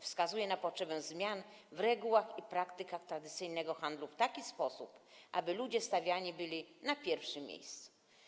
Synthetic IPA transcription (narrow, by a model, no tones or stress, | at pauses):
fskazujɛnapɔtʂɛbɛzmʲjanvɾɛɡuwaxipɾakt̪ɘkaxt̪ɾad̪ɘt̪sɘjnɛɡɔxand̪luft̪akʲispɔsupʔabɘlud͡ʑɛst̪avʲjaɲibɘlʲinapʲjɛɾfʂɘmʲjḛjst̪su̥